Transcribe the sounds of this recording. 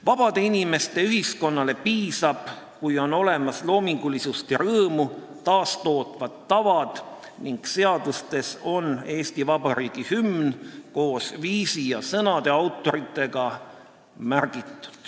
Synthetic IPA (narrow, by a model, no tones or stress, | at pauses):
vɑb̥ɑd̪̥e̞inime̞st̪e̞yɦisko̞nːɑle̞piːsɑb̥ | kujo̞no̞le̞mɑslo̞ːmiŋɡ̥ulisust̪eɾɤːmu | t̪ɑːst̪o̞ːt̪ˑvɑt̪ːɑvɑd̪̥ | niŋkse̞ɑd̪̥ust̪e̞so̞ne̞ːst̪ivɑbɑɾiːɡ̥ihymnko̞ːsviːsijɑsɤnɑd̪̥e̞ɑwt̪ːˑo̞ɾit̪ːˑe̞ɡɑ | mærɡ̥it̪ˑːu̥d̪̥